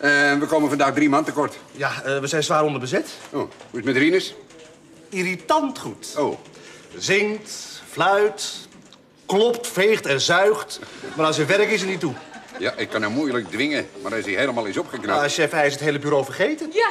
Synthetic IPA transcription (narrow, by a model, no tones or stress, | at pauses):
əʋəkowmənfɑndaːxdrimantəkɔrtjaʋəzɛjnsʋaːɾɔndərbəzɪtowhuɪsmədrinəs | iɾitɑntχutowzɪŋtflœɥt | klɔptfeːχtɛnzœɥχtmarɔsəʋɛɾəkɪs̬ənitujaʔɪkːanawmujlək̚dʋɪŋəmarɛsihejləmaːlˠɪsɔpχəknasɛfɛjɪs̬ətɦejləbyɾowfərχejtən